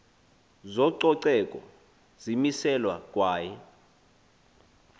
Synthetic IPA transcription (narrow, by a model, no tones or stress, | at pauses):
zɔǀɔǀɛkʼɔ̰ | zimisɛlwa̰k̬ʼwaːjɛ